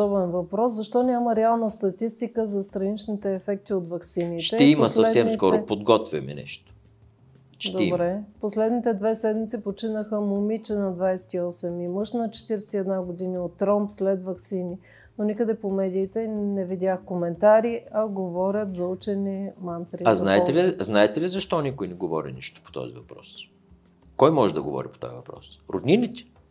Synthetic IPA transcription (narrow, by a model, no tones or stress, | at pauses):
d̪ɔbɛnvɐpɾɔszɐʃt̪ɔnʲjaməɾɛalˠnəst̪ɐt̪ist̪ikəzɐst̪ɾɐnit͡ʃnit̪ɛːfɛk̚t̪iot̪vɐksinitʃɛt̪ɛimɐsəsɛd̪sɛmkɔɾopod̪ɡɔt̪vʲɐ̰mɛ̰nɛ̰ʃt̪o̥ | ʃd̪oɛibɾɛposlɛd̪nit̪ɛd̪vɛsɛd̪mit̪sipot͡ʃinəxəmomit͡ʃɛnɐd̪vajsɛ̥t̪iɔsɛmimɤʃnɐt͡ʃɛ̥t̪iɾɛsɛ̥ɛd̪naɡod̪iniot̪ːɾɔmpslɛt̪vɐksini | nonikəd̪ɛpomɛd̪iːt̪ɛnɛvid̪ʲaxkomɛnt̪aɾiɐɡovɔɾʲət̪zɐut͡ʃɛnimant̪ɾiaznnaɛt̪ɛliznaɛt̪ɛlizɐʃt̪ɔnikojnɛɡovɔ̰ɾḭniʃt̪o̥po̥t̪ɔ̰zḭvɐpɾɔ̰s | kɔjmɔʒɛd̪ɐ̰ɡo̰vɔ̰ɾipo̥t̪ɔ̰jɐ̰vɐpɾɔ̰sɾo̰d̪ninit̪ʲɛ̥